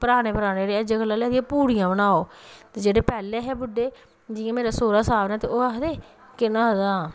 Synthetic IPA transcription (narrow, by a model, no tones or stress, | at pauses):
pəɾaːɽeːpəɾaːneːɽeːəd͡ʒekəlːaːlɛːd̪iãːpuːɽijãːbənaːoːt̪eːd͡ʒeːɽeːpɛːleːɦɛːbʊɖːeː | d͡ʒɪjãːmeːɾaːsoːɾaːsaːbnɛːt̪eːoːaɦd̪eː | kɪnãːɦd̪aː